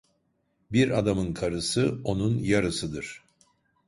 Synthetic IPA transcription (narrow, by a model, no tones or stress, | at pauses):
biɾad̪amɯnkʰaɾɯsɯo̞nunjaɾɯsɯd̪ɯɾ̥